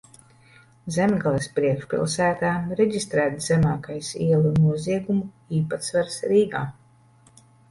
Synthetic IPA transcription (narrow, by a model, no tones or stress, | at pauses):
zɛmɡalˠɛspɾiɛkʃpʲḭlˠsæːt̪aːɾɛɟist̪ɾæːt̪zɛmaːkajsḭɛlˠunuɔziɛɡumu | iːpat̪svaɾsɾiːɡaː